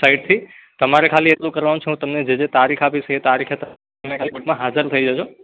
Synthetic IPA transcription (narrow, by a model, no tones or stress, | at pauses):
saɪɖ̚t̪ʰi | t̪əmaɾekʰaliet̪lokəɾʋanõt͡ʃʰeɦũt̪əmned͡ʒed͡ʒet̪aɾikʰapisʰəet̪aɾikʰet̪ə | mekʰalikoʈmãɦad͡ʒəɾt̪ʰəid͡ʒat͡ʃʰo